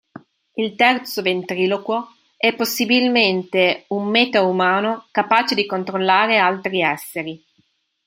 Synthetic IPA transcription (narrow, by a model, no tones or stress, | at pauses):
ilt̪ɛrt̪sovent̪ɾiːloko | ɛpːosːibilment̪eumːeːt̪aumaːnokapaːt͡ʃed̪ikont̪ɾolːaːɾealt̪ɾiɛsːeɾi